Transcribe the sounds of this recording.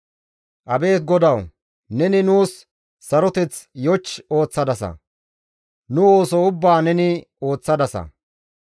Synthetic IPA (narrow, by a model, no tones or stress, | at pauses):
ʔɐbe̞ːt̪̚ɡɔd̪ɐw | nɛnɪnuːsː | ɐɾɔt̪ɛt͡sjɔt͡ʃːo̞ːt͡sːɐd̪ɐsɐ̰ | nʊoːsɔʊbːaːnɛnɪ | o̞ːt͡sːɐd̪ɐsɐ̰